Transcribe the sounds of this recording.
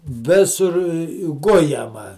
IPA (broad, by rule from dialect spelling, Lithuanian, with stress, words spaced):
ˈʋʲɪsʊr ˈɡʊjɛmɐ